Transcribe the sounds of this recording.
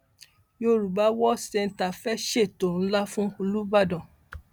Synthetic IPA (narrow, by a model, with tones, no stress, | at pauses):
jo˦ɾu˨ba˨˦wɔ˦sɛ˧n̩˨ta˨fɛ˦ʃe˦˨to˨ɾ̩̃˨˦la˦fũ˦o˧lu˦ba˦˨dɔ̃˨